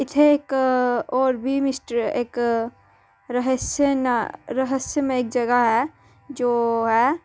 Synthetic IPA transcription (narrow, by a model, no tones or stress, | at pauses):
ɪt̪ʰeeːkɔːɾbʱimɪsʈəɾḛːk | ɾəɦəsjənɾəɦəsjəmẽeːk̚d͡ʒɐɡaɦɛ | d͡ʒoːɦɛ